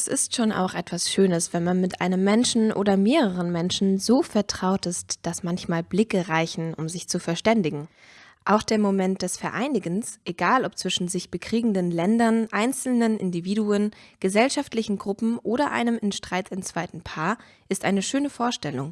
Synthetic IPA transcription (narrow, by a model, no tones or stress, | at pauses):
ɛsɪstʃoːna̰ʊxʔɛtv̥asʃøːnəsv̥ɛnmanmɪtʔa̰ɪnəmːɛnʃn̩ʔo̰ːdɐmeːʁəʁ̞ənmɛnʃn̩zoːfɛɐtʁ̥aʊtɪstd̥asmançmaːlblɪkəʁaɪçn̩ʔʊmzɪçt͡sufɛɐʃtɛndɪɡŋ̩ | ʔaʊxd̥eːɐmomɛnt̚d̥ɛsfɛɐʔaɪnɪɡən̩sʔeɡaːlɔp̚t͡sv̥ɪʃn̩zɪçb̥əkʁ̥iːɡŋ̩dənlɛndɐnʔaɪnt͡sl̩nənʔɪ̰ndiviːduənɡ̥əzɛlʃaftlɪçn̩ɡʁʊpm̩ʔoːɾɐʔa̰ɪnəmɪnʃtʁ̥aɪtʰɪnt͡sv̥aɪtn̩pʰaːɐ | ʔɪstʔaɪnəʃøːnəfoːɐʃtɛlʊŋ